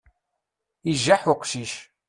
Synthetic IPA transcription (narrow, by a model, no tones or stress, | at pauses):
iʒːaħʊqʃiʃ